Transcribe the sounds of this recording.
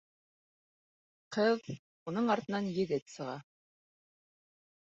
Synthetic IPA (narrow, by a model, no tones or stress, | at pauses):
qɤð | unɤɴɑɾt̪ɤ̆nɑnjɘ̆ðɘt̪sɤ̆ʁɑ